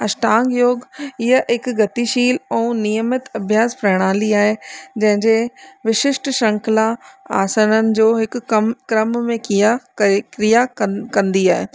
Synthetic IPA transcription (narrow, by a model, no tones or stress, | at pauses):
ɐʃʈãːŋɡjoːɡɪɦəɦɪkɡɐt̪iʃiːlɛ̃ːnijəmət̪ɐbʱjaːspɾɐɽ̃aːliaːɦed͡ʑɐ̃ɦɪ̃ɲd͡ʑeʋɪʃɪʃʈʃɐ̃ŋkʰlaaːsənənɪ̆d͡ʑoːɦɪkɐmkɾəmmẽkiakɾijakɐ̃nd̪iaːɦe